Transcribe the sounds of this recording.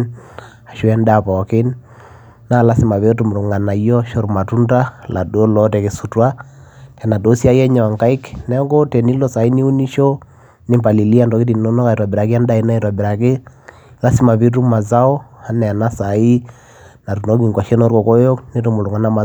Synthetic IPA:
a˨ʃu˦ɛ˦nda˨pɔ˨ke˦n | na˦˨la˦si˨˦ma˨βe˦tu˨m˨ɾu˨ŋa˨na˨i˦jɔ˦ʃo˦ɾma˨tu˦nda˦lʔa̰˨do˦lɔ˦tɛ˨ke˨su˨twa˦tɛ˨na˨do˨˦sja˦jɛ˦ɲa˨a˨ŋka˦i˦knɛ˦ŋɡo˦tɛ˨ni˦lɔ˦˨sa˨i˦ni˦u˦ni˦ʃo˦ | nɪ˦mpa˨li˨li˦a˦ndɔ˨ki˦t̬i˨no˦nɔ˦ka˨twa˨bi˨ɾa˨ki˦a˦nda˦i˦na˦e˨twa˨bi˨ɾa˨ke˦ | la˦si˦ma˨βi˦t̬u˦ma˨za˦ɔ˦a˦nɛ˨a˨na˦sa˨i˦ | na˨tu˨no˦ki˨ŋɡwa˨ʃe˦nɔ˦ɾɔ˨ko˦jo˦kne˦tu˦mu˨lu˨ŋa˨na˦ma˨

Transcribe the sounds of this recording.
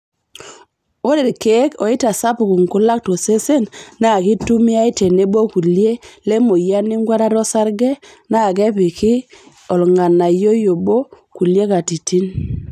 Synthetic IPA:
o˦ɾe˨ɾke˨˦kɔ˨ɪ˦ta˨sa˦pʊ˨ku˨ŋkʊ˦la˦k̚to˨se˦se˦nna˦˨ki˦tu˦mi˦a˦i˦te˨ne˦bo˦ku˨lje˦le˦mo˨ja˦nɪ˦ŋɡwa˦ɾa˦ɾɔ˦sa˦ɾɡɛ˦ | na˦˨k̬ɛ˦pɪ˨kɪ˦ | ɔ˨lŋa˨na˨jo˦jo˨bo˦ | ku˨lje˦ka˨ti˨ti˦n

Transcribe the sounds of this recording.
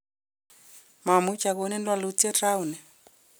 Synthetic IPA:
ma˨mu˦t͡ʃa˨ko˦nɛ˦ndwa˨lu˦t͡sɛ˦ra˦u˨nɛ˨

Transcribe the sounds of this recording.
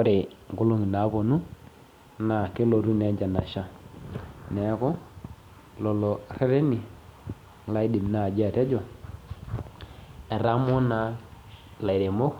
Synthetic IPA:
ɔ˦ɾe˨ŋ˨ɡʊ˦lo˦ŋi˨na˨˦bo˨nu˦ | na˨ke˦lo˨ɾu˦ne˨˦d͡ʒa˨na̰˨ʃa˦ | nɛ˨˦kɔ˦ | lɔ˨lo˨ɾe˦ɾe˦ni˨ | la˦i˦di˨mna˨d͡ʒɛ˦˨te˦d͡ʒɔ˨ | ɛ˨ɾa˦mo˦na˦ | la˨i˨ɾe˨mo˦k

